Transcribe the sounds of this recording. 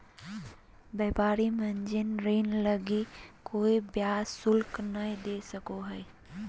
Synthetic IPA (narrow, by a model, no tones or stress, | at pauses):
bɛːpaːɾimə̃ɲd͡ʒɪnɾeːnləɡikoːibjaːsʊlknəĩd̪eːsəkoɦɛ